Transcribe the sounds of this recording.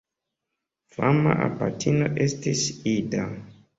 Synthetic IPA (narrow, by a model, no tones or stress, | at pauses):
famaʔapatʰinoʔe̞stisida